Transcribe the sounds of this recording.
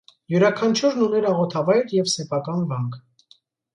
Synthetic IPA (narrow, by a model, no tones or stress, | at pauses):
juɾɑkʰɑnt͡ʃʰuɾnunɛɾɑʁɔt̪ʰɑvɑjɾjɛvsɛpʰɑkɑnvɑŋkʰ